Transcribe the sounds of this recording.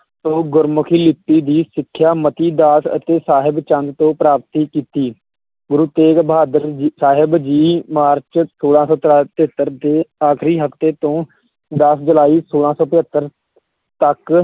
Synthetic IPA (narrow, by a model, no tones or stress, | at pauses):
tõːɡʊɾmʊkʰiːlɪpːiːd̪iːsɪkʰːjaːmət̪iːd̪aːsə̰t̪eːsaːɦɪbt͡ʃənd̪t̪õːpɾaːp̚t̪iːkiːt̪iː | ɡʊɾuːt̪eːkbaːd̪əɾsaːɦɪbd͡ʒiːmaːɾt͡ʃsoːlãːsɔːt̪ɾaːt̪eət̪ːəɾt̪eːaːkʰɾiːɦəft̪eːt̪õː | d̪əsd͡ʒəlaːiːsoːlãːsɔːpɪɦət̪ːəɾ | t̪ək